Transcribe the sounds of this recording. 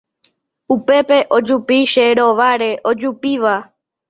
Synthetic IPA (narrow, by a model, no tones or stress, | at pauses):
upe̞pe̞ʔo̞d͡ʒupiʃeɾoʋaɾe̞ʔod͡ʒupiʋa